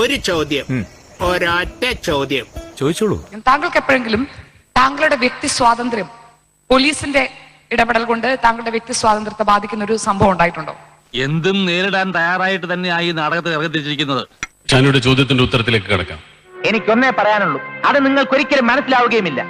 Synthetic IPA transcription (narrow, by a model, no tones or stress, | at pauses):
oɾut͡ɕɐwd̪jɐm | oːɾaːtːɐt͡ɕɐwd̪jɐmt͡ɕoːðit͡ɕːuɭṵt̪aːŋɡɐɭkepːoːeŋɡilum | t̪aːŋɡɐɭuɽe̞ʋjek̚t̪iswaːðɐnd̪ɾjɐm | po̞liːsinde̞ | iɽɐpɐɽɐlko̞ɳɖɨt̪aːŋɡɐɭuɽe̞ʋjek̚t̪iswaːd̪ɐnd̪rɐt̪ːebaːd̪ʱikʲːunːoɾusɐmbʱɐʋɐmuɳɖaːjiʈːuɳɖo̰ː | e̞nd̪umne̞ːɾiɽaːnt̪ɐjaːraːjiʈːɨt̪ɐnːe̞aːjinaːɽɐɣɐt̪ːeɐrkːɐt̪̬ːiɾit͡ɕːiɾikʲːunːɐðɨ | t͡ɕɐnuɽet͡ɕo̞ːd̪ʱjɐt̪ːindeut̪ːɐɾɐt̪ːile̞ːkːɨkiɽɐ̰kːa̰ːm | e̞nikʲːo̞nːepɐrɐjaːnuɭːuɐðɨniŋːɐɭko̞ɾikʲːɐlumːɐnɐsːilaːʋuɣɐjumilːɐ